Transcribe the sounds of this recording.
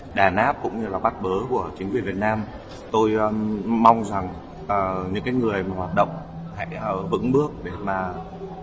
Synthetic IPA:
ɗaː˧˩nʔaː˦˥p̚kʊ̰˧˥ŋ͡mɲɨ˧laː˨˩ɓa˦˥t̚ɓəː˨˦ku˧˩ət͡ɕï˨˦ŋ̟kwi˨˩vi˨˩ət̚naː˧m | t̪o˧jma˧wŋ͡mza˨˩ŋ | ʔəː˨˩ɲɨ̰˧˥ŋkaː˨˦jŋɨ˨˩əjmaː˨˩waː˨˩t̚ɗə̰˧˨wŋ͡m | ha̰˧˥jʔəː˨˩vɨ̰˧˥ŋɓɨ˦˥ək̚ɗe˧˩maː˨˩

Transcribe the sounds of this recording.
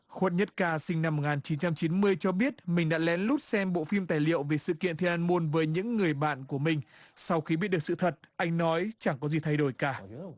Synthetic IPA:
xwə˦˥t̚ɲə˦˥t̚kaː˧˩sï˧ŋ̟na˧m̚ː˨˩ŋaː˨˩nt͡ɕi˨˦nt͡ɕa˧mt͡ɕi˨˦nmɨ˧əjt͡ɕɔ˧ɓi˦˥ət̚mï˨˩ŋ̟ɗa̰ː˧˥lɛ˨˦nlu˦˥t̚sɛ˧mɓo̰˧˨fi˧mt̪aː˨˩jlḭ˧˨əwve˨˩sɨ̰˧˨kḭ˧˨ənt̪ʰi˧nʔaː˧nmo˧nvəː˨˦jɲɨ̰˧˥ŋːɨ˨˩əjjɓa̰ː˧˨nku˧˩əmï˨˩ŋ̟sa˧wxi˧ɓi˦˥t̚ɗ̚sɨ̰˧˨˩t̪ʰə˨˩t̚ʔa˧jŋ̟nɔ˨˦jt͡ɕa˧˩ŋkɔ˨˦zi˨˩t̪ʰa˧jɗo˧˩jkaː˧˩

